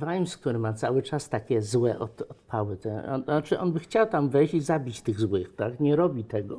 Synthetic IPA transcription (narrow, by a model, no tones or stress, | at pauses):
vajmsk̚t̪uɾɘmat̪sawɘt͡ʂast̪akʲɛzwɛʔɔt̪ɔt̪pʰawɘt̪ɛ̰at͡ʂɘʔɔnbɘxt͡ɕawt̪amvɛjizabʲit͡ɕt̪ɘɣzwɘxt̪akɲɛɾɔbʲit̪ɛɡɔ